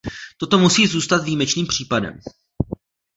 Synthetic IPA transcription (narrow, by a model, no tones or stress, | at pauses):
t̪o̞t̪o̞musiːzuːst̪at̪viːmɛt͡ʃniːmpr̝̥iːpadɛ̰m